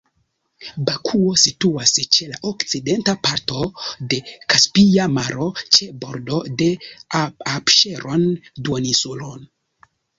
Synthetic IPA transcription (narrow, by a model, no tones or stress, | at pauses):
bakʰuo̞situast͡ʃe̞laʔokt͡side̞ntapaɾto̞de̞kaspiamaɾo̞t͡ʃe̞bo̞ɾdo̞de̞ | apʃe̞ɾo̞nduonisulo̰n